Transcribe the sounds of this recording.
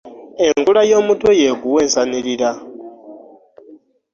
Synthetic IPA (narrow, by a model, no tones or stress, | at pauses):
eŋɡulajo̞ːmutʰojekuweːnsaniɾiɾa